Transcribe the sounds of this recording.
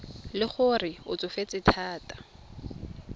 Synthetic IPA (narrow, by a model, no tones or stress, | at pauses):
lɪχʊrɪʊ̰t͡sʼʊfet͡sʼɪtʰaːtʼḁ